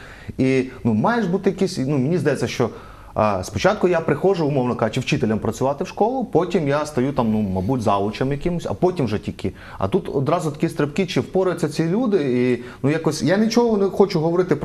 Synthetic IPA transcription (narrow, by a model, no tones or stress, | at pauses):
inumɑjeʒbut̪ɪjɐkisʲnumʲɪnʲizd̪ɐjɛt͡sʲːɐʃt͡ʃɔ | spɔt͡ʃɑt̪̚kʊjapɾɪxɔʒʊʊmɔwnɔkɑʒʊt͡ʃɪwt͡ʃɪt̪elʲɐmpɾɐt͡sʲʊʋɑt̪ɪwʃkɔlˠʊpɔtʲimjast̪ɐjut̪ɑmnumɐbudʲzɑʋˠʊt͡ʃɐmjɐkɪmʊsʲɐ̰pɔtʲimwʒɛtʲilʲkɪ | ɐ̰t̪ut̪ɔd̪ɾɑzʊt̪ɐ̥kʲist̪ɾepkɪt͡ʃɪwpɔɾʊjɛt̪ʲt͡sʲːɐt͡sʲilʲud̪ɪinujakɔsʲjanɪt͡ʃɔɦɔnɛxɔt͡ʃʊɦɔʋɔɾɪt̪ɪp